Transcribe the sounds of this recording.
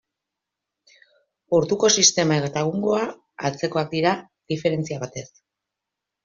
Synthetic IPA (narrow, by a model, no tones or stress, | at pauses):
uɾðuko̞sist̪e̞maeɣet̪aɣuŋɡo̞aː | lt͡se̞ko̞ak̚d̪iɾa | d̪̥ife̞ɾe̞nt͡siaβat̪e̞s